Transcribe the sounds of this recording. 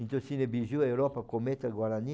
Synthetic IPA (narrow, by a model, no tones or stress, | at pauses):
int̪osinebizjuaewɾɔpakomet̪aɡwaɾani